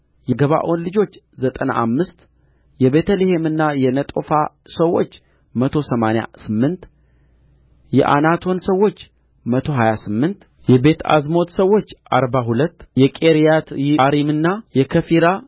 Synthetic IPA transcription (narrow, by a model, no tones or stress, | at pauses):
jɛɡəβa̰ʔo̞nlɨd͡ʒo̞t͡ʃː | zət̪ʼəna̰ʔamːɨst̪ | jɛβe̞t̪ʰəlihemɨnːajɛnət̪ʼo̞fa | səwːo̞̰t͡ʃː | mət̪ʰo̞səmanja̰sɨmːɨnt̪ | jɛ̰ʔa̰nat̪ʰo̞nsəwːo̞t͡ʃː | mət̪ʰo̞ɦajasɨmːɨnt̪ | jɛbe̞t̪ʰa̰zmo̞t̪səwːo̞t͡ʃːa̰ɾbaɦulət̪ːjɛkʼeɾijat̪jiaɾimɨnːajɛkʰəfiɾa